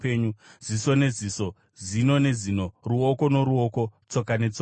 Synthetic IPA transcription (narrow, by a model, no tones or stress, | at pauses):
peːɲuziso̞ne̞ziso̞ | zino̞ne̞zino̞ruoko̞no̞ɾuoko̞t͡so̞kane̞t͡so